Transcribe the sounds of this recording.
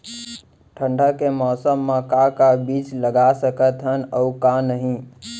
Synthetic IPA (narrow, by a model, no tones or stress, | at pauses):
ʈʰə̃ɳɖʱəkemɔːsəmːãkakabiːt͡ʃləɡasəkət̪ɦənəukãnəɦĩ